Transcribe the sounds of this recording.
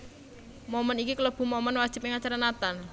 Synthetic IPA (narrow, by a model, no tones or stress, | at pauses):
momənikiklob̥ṳmomɔnwad̥ʒ̥ɪ̤p̚ɪŋat͡ʃaɾanat̪an